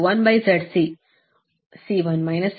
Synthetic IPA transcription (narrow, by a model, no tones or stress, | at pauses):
ʋɐ̃nbɐjzɐɖsi | siʋɐnmajnɐs